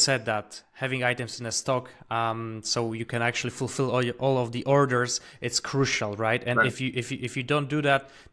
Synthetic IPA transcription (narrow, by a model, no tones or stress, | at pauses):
sɛd̪̚ðæt̚hævɪ̃ŋaɪɾɨ̃mzɨ̃nðəstɔkmsoʊjɨkʰɨ̃næk̚t͡ʃʉl̩ˠifʊlˠfɪlˠɔʔɔlˠɔvðiʔɔɹdə˞z | ʔɨtskʰɹ̥uʃl̩ˠɹaɪtɨ̃nɪfjɨʔɪfjɨʔɪfjɨdõʊ̃n̚d̥ɨðæt̚